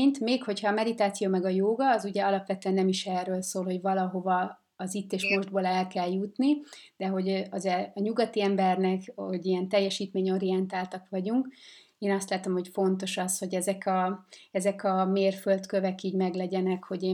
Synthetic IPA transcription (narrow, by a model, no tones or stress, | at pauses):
ɲt̪meːkho̞cʰhɒːmɛd̪it̪aːt̪sijoːmɛɡɒjoːɡɒːzuɟɛɒlɒpʋɛt̪øɛnːɛmiʃɛrːøːlsoːlho̞ɟvɒlɒɦo̞vɒː | zit̪ːeːʃmo̞ʒd̪̚boːlɛlkɛljut̪nid̪̥ɛɦo̞ɟɒzɛɒɲuɡɒt̪iɛmbɛrnɛkoɟijɛnt̪ɛjːɛʃiːt̪meːɲo̞ɾiɛnt̪aːlt̪ɒkʋɒɟuŋk | eːnɒst̪laːt̪o̞mho̞cfo̞nt̪o̞ʃɒsho̞ɟɛzɛkɒɛzɛkɒmeːrfølt̪køvɛkiːɟmɛɡlɛɟɛnɛkho̞ɟeː